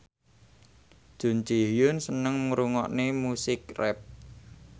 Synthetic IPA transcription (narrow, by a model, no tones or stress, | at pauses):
ʒ̥o̤nt͡ʃiɦjʊnsənəŋmuɾuŋɔ̰ʔnemusɪk̚rɛp̚